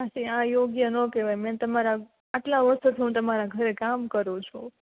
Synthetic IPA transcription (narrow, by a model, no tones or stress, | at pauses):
paʃiãjoɡjənokeʋajmɛ̃t̪əmaɾa | aʈlaʋəɾst̪ut̪ʰiɦũt̪əmaɾaɡʱəɾekamkəɾũt͡ʃʰu